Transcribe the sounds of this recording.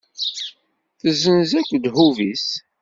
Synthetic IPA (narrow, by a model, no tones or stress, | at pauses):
θəzənzækːd̪huvis